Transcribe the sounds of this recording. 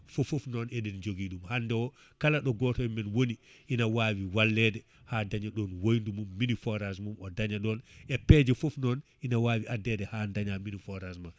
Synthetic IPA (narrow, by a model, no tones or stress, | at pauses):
fofofnɔnɛɗɛnd͡ʒoɡiːɗumhandɛwɔ | kalaɗɔɡɔtɔɛmɛnwoniʔinawawiwalːɛdɛ | hadaɲaɗɔnwojndumumːinifɔɾas̬mumɔdaɲaɗɔnʔɛpɛd͡ʒɛfofnɔnʔinawaːwiadːɛdɛhandaɲaminifɔɾasmam